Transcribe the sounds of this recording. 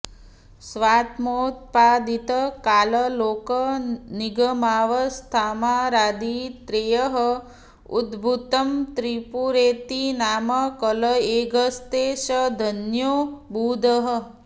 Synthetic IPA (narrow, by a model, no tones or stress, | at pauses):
sʋat̪mot̪̚pad̪it̪əkaləlokəniɡəmaʋəst̪ʰamaɾad̪it̪ɾejəɦə | ṵd̪bʱut̪əmt̪ɾipuɾet̪inaməkələeɡʱəst̪eʃəd̪ʱənjobud̪ʱəɦə